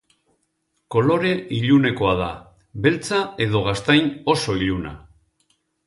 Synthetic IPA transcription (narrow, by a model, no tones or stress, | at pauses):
ko̞lo̞ɾe̞ʔiʎune̞ko̞að̞a̰ | βe̞lt͡sae̞ðo̞ɣ̞ast̪ajno̞so̞iʎuna̰